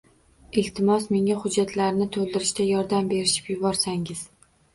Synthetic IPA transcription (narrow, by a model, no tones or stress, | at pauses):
ɪlt̪ʰɪmɒsme̞ŋahʊd͡ʒːat̪laɾnɪt̪ʰolˠd̪ɪɾɪʃt̪ajɒɾd̪ambe̞ɾɪʃɪ̥pjʊbɒɾsaŋɪz̥